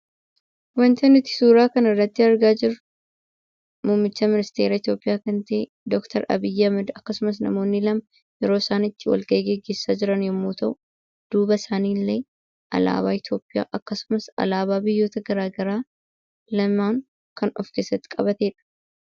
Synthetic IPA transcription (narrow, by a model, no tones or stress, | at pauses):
wɐnt̪ɐnɪt̪ːɪ̥suːɾaːkɐnɪrːɐt̪ːɪɐɾɡaːd͡ʒɪɾʊ | muːmːɪt͡ʃːɐmɪnɪst̪e̞ːɾaːɪt̪jo̞ːpʼɪjaːkɐnt̪ɐʔe | d̪ɔkt̪ʰɐɾɐ̰bɪjːɐmɐd̪ɐkːɐsʊmɐs̬nɐ̰mo̞ːnːɪlɐmɐ | jɛɾo̞ːsaːnɪt̪ːɪwɐ̰lɡɐʔɡeɡːe̞ːsːaːd͡ʒɪɾɐnjɐmːuːt̪ɐʔʊ | d̪̥uːbɐsaːniːlːeː | ʔɐ̰la̰ːbaːɪt̪jo̞ːpʼːɪja̰ːʔɐkːɐsʊ̥mɐsɐ̰laːbaːbɪjːo̞ːt̪ɐɡɐɾaːɡɐɾaː | lɐmaːŋ | kɐnɔfke̞ːsːɐt̪ːɪ̥kʼɐbɐt̪eːᶑɐ̥